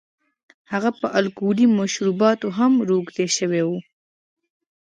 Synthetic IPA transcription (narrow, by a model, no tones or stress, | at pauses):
haɣapəʔalkulimaʃɾubɑt̪oɦamɾoɡd̪eʃəwewu